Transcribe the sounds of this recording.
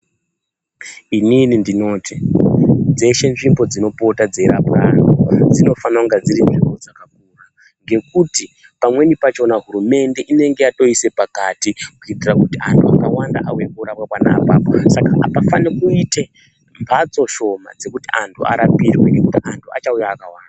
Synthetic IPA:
ininindino̞ːtʰi | d͡ze̞ʃe̞nʐimbo̞d͡zino̞po̞tad͡ze̞ɾa̰pranod͡zino̞fanauŋɡad͡ziɾinʐimbo̞d͡zakak̚uːra | ŋɡe̞kuti | pamwe̞nipat͡ʃo̞naɦuɾume̞nde̞ʔine̞ŋɡe̞jato̞ise̞pakatikuitirakutiantʰuakawandaʔaujekuɾapwapwana̰paːposakapafanekuite̞ | mbʱat͡so̞ʃo̞ma̰d͡ze̞kutiʔantʰua̰ɾapirwe̞̰ne̞kutiantʰua̰t͡ʃaujaːkawaːnda

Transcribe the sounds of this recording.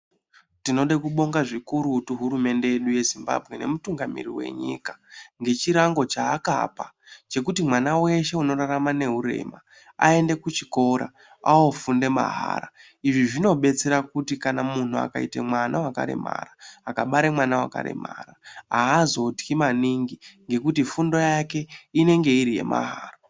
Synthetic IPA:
tino̞ɗekuɓo̞ŋɡaʐikuɾutuɦuɾume̞nde̞jeɗuje̞zimba̰bʱɣe̞nemutuŋɡamḭɾiwe̞̰ɲḭkḁŋɡe̞t͡ʃiɾaŋɡo̞t͡ʃaːka̰pa | t͡ʃe̞kutimwanawe̞ʃe̞uno̞ɾaramane̞ɦuɾe̞̰ma | ae̞nde̞kut͡ʃiko̞ɾa̰ | aofunde̞ma̰ɦa̰ːɾa | iʐiʐino̞ɓe̞t͡se̞ɾakutikanamun̤ua̰kaite̞̰mwanawaka̰ɾe̞̰ma̰raːkaɓaɾemwanawa̰ka̰ɾe̞̰ma̰ɾaaːzo̞tkimaniŋɡiŋɡe̞kutifundo̞jake̞ine̞ŋɡe̞iɾije̞̰mʔa̰ɦaːra

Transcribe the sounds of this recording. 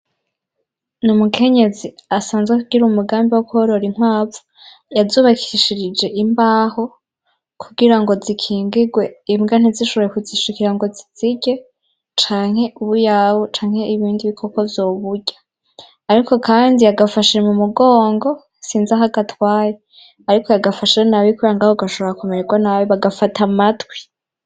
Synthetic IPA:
numukʰe̞ɲe̞ziasaːnzɡwekuɡiɾumuɡaːmbiwokuoɾo̞ɾiŋ̥waːvu̥ | jazuːβakʰiʃiɾid͡ʒe̞ʔimbaːho̞ | kʰuɡiɾaŋɡo̞zikʰiːŋɡiɡwe̞iimɡan̥iziʃoβojekuziʃikiɾaŋɡo̞ziz̥iɟe̞ | t͡ʃaːŋ̥he̞ʔuβujawot͡ʃaːŋ̥he̞iβiːndiβikʰokovjo̞ːβuɟa | aɾiko̞kaːndijaɡafaʃiɾemumuɡoːŋɡo̞ | siːnzaɦaɡatwaːje | aɾikʰo̞jaɡafaʃiɾenaβikujaŋɡahoɡaʃoβoɾakomeɾeɡwanaweβaɡafatʰamatwi

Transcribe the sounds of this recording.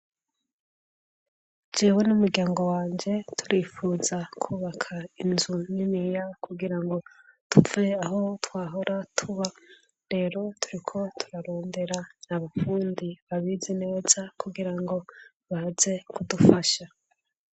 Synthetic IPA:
d͡ʒeːwe̞numuɾɟaːŋɡo̞waːɲɟe̞tʰuɾiːfuːzakʰuːβakʰainzuninijakuɡiɾaŋɡo̞ | tuve̞aɦo̞twaːɦo̞ɾʔatʰuβa | ɾe̞ːɾo̞tʰuɾikʰo̞tʰuɾaɾo̞ːnde̞ɾanaβafuːndiβaβiːzine̞ːz̥akuɡiɾaŋɡo̞ | βahaze̞kudufaʃa

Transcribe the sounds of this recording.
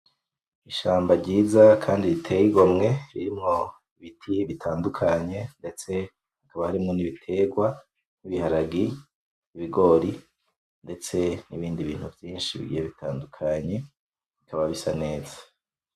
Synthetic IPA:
iʃaːmbaɾɟiːzakʰaːndiɾitʰejiɡomŋe̞ɾiɾimŋo̞ | iβitʰiβitʰaːndukʰaɲe̞nde̞t͡se̞ | hakaβahaɾimŋo̞niβitʰe̞ɡwa | niβihaɾaɡi | iβiɡo̞ɾi | nde̞t͡se̞niβiːndiβiːn̥huvjiːnʃiβḭɡḭjeβitaːndukʰaɲe̞ | βikʰaβaβisane̞ːzḁ

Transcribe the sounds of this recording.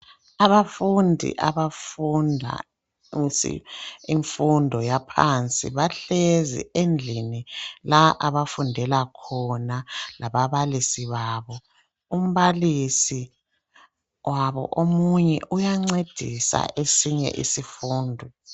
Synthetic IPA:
aβafundʱḭʔaβafundʱa̰ | sḭiɱfundʱɔjapʰant͡sʼḭβaɬezḭend͡ɮʱinilaʔaβafundʱɛlakʰɔnalaβaβalisiβaːβɔ | um̩βalisi | wʔaβɔ̰ʔomuɲɛʔujaŋ͡ǀed̥ʱisa̰ʔesiɲɛ̰ʔḭsifuːndʱɔ

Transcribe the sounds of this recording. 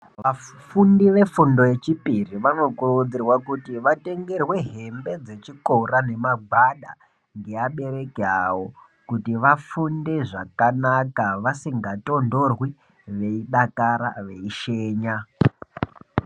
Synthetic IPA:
ʋafundiʋe̞fundo̞je̞t͡ʃipiriʋano̞kuruud͡zirwakutiʋate̞ŋɡe̞rwe̞ɦe̞mbe̞d͡ze̞t͡ʃikorane̞maɡʱaɗa | ŋɡe̞aɓe̞ɾe̞keawo | kutiʋafunde̞ʐakanakaʋasiŋɡato̞ndo̞rwi | ʋe̞iɗakaɾa̰ʋe̞iʃeːɲa

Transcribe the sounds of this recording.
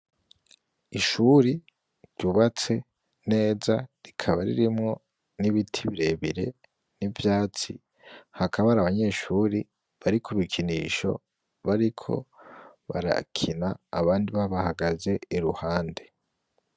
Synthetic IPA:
iʃuːɾi | ɾɟuβat͡se̞ | ne̞ːzaɾikʰaβaɾḭɾimŋo̞ | niβitʰiβiɾe̞βiɾe̞̰ | nivjaːt͡si | hakʰaβaɾaːβaɲe̞ːʃuɾi | βaɾikʰuβikʰiniːʃo̞̰ | βaɾikʰo̞̰ | βa̰ɾa̰kʰinaːβaːndiβaβahaɡaze̞iɾuhaːnde̞

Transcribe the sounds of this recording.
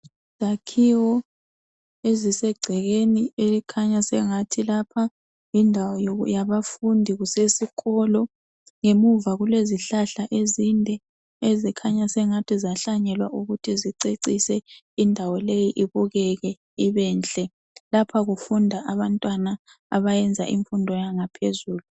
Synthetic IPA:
z̥akʰiwɔ | ezisɛɡ͡ǀʱɛɣenielikʰaɲasɛŋatʰilapʰa | indʱawɔjjaβafundʱiɣusesikʰɔlɔ | ŋemuvaɣuleziɬaɬaʔezindʱɛ | ezikʰaɲasɛŋatʰizaɬaɲɛlwaʔuɣutʰiziǀeǀisɛ | indʱawɔlejiʔiβuɣɛɣɛ | iβɛːnɬʼɛ | lapʰaɣufundʱaʔaβantʼwanaː | βajɛnd͡zʱa̰ʔiɱfundʱɔjaŋapʰezuːlu

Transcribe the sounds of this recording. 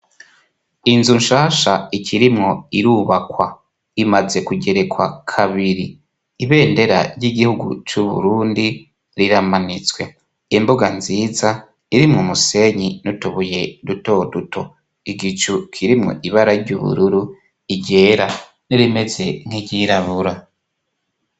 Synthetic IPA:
inzunʃaːʃaikʰiɾimŋo̞iɾuβakwa | imaze̞kuɟe̞ɾe̞kwa̰kʰaβiɾiː | βe̞ːnde̞ɾa̰ɾɟiɡihuɡṵt͡ʃuβṵɾuːndi | ɾiɾamanit͡swe̞ | imbuɡanziːza | iɾimŋumuse̞ɲinutuβuje̞duto̞duto̞ | iɡit͡ʃukʰiɾimŋo̰ʔiβaɾaɾɟuβṵɾuɾu | iɟe̞ːɾa | niɾime̞ze̞ŋ̥iɟiɾaβuɾa

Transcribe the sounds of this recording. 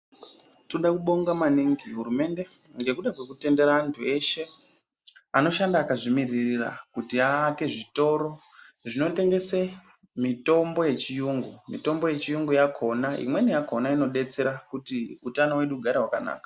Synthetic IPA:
toɗakuɓo̞ŋɡamaniŋɡiɦuɾume̞nde̞ | ŋɡe̞kuɗakwe̞kute̞nde̞ɾaːntʰue̞ʃe̞ | ano̞ʃandaːkaʐimiririra̰kutiaːke̞ʐito̞ːɾo̞ | ʐino̞te̞ŋɡe̞se | mito̞mbo̞je̞t͡ʃijuŋɡumito̞mbo̞je̞t͡ʃijuŋɡujakʰo̞naḭmwe̞nijako̞naino̞ɗe̞t͡se̞ɾakutiutanowe̞ɗuɡʱaɾeɦwakana̰ːkḁ

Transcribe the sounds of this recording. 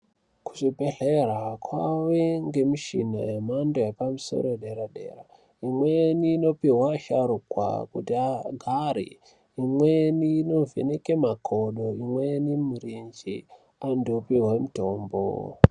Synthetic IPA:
ku̥ʂibʱeɮeɾakʰwaʋeŋɡe̞miʃḭna̰jemandojepamuso̰ɾoeɗeɾaɗe̞̰ra | imweniːno̞piɦwaʃaɾukwa̰kutiaɡʱaɾḭ | imweniːno̞vḛnekemakʰoɗo̞imwenimirind͡ʒi | andopiɦwemitoːmbo̰

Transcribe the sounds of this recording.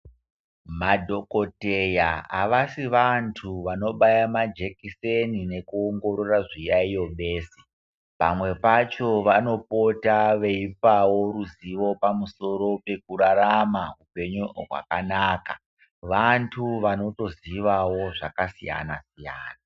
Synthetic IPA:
madʱo̞ko̞tejaaʋasiʋantʰuʋano̞ɓajamad͡ʒe̞kisenine̞kuoŋɡo̞ɾo̞raʐijaijo̞ɓe̞ːse̥ | pamwe̞pat͡ʃo̞ʋano̞po̞taʋe̞ipawo̞ɾuziʋo̞pamuso̞ɾope̞kuɾaɾamaɦupe̞ɲurwa̰kanaːka | ʋantʰuʋano̞to̞ziʋawoʐakasija̰nasija̰ːna

